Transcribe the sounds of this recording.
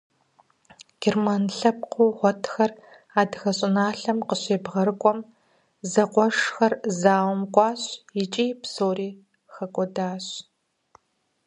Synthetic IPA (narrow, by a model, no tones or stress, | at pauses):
ɡ̥irmanɬɐp̚qʷuːʁʷɔtʰxɐr | aːdxɐɕʼɪnaːɬɐmqəɕeːbʁɐɾɨkʷʼɔm | zɐqʷɔʂxɐrzaːwmkʷʼɑːɕjɪt͡ʃʼiːpsoːriː | xɐkʷʼɔdaːɕ